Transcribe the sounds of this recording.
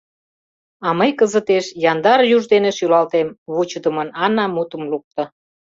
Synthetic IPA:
ɑməjkəzət̪eʃjɑnd̪ɑɾjuʒd̪eneʃylɑlt̪emβut͡ɕəd̪ə̆mənɑnɑmut̪əmluk̚t̪ə̆

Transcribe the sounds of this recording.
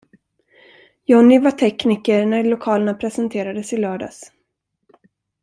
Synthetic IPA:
jɔnːɪvaʈʰɛkniːkəɾnæɾlʊkʰɑːləɳapʰɾɛsənt̪ʰeːɾad̪əsɪlœːɖa̰s

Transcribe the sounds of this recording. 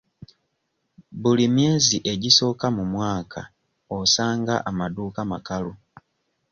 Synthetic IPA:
bulimje̞ːziʔe̞ɟiso̞ːkamumwaːkʰa | osaːŋɡaʔamaduːkama̰kalu

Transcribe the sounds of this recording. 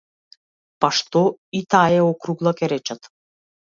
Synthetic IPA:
paʃt̪ɔit̪aɛɔkɾuɡlˠakʲɛɾɛt͡ʃat̪

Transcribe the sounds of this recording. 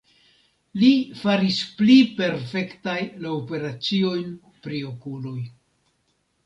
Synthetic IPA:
lifaɾisplipe̞ɾfe̞ktajlaope̞ɾat͡sio̞jn | pɾio̞kulo̞j

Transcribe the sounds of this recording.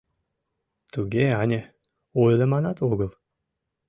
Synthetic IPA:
t̪uɡʲeɑnʲe | ojlʲəmɑnɑt̪oɣə̆lˠ

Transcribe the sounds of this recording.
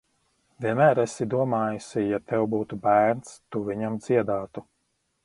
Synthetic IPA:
vʲiɛnmæːɾasid̪uɔmaːjusʲijat̪ɛwbuːt̪ubæːɾnst̪uvʲiɲamd̪z̥iɛd̪aːt̪u

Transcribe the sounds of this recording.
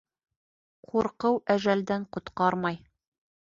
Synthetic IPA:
qʰuɾqɤwæʒæld̪æɴqŏt̪qɑɾmɑj

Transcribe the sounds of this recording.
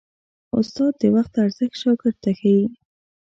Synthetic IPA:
ʊ̰st̪ɑd̪̚ːəwaxt̪aɾzəxt̪ʃɑkəɾt̪axawi

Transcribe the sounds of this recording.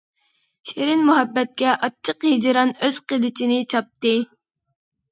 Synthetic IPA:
ʃeɾɪnmuɦɛbːɛt̪̚kʲɛʔɑt͡ʃʰːəqhid͡ʒɾɑnøz̥qəlˠɪt͡ʃʰinɪt͡ʃʰɑp̚t̪ɨ

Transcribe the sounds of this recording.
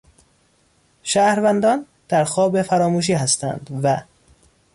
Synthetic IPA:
ʃæːhɾvænd̪ɒːn | d̪̥æɾxɒːbefæɾɒːmuːʃ̬iːɦæst̪æ̰nd̪̥væ

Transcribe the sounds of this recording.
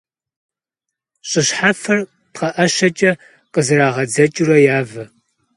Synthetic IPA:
ɕʼɪɕħafɐr | pχɐʔɐʃɐt͡ʃʼɐ | qʼəzɨraːʁɐd͡zɐt͡ʃʼurɐjaːvɨ

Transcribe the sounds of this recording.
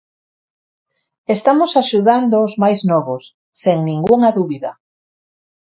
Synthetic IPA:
est̪amosaʃuðand̪oːzmajznɔβosː | eŋnĩŋɡuŋaðuβiðɐ̰

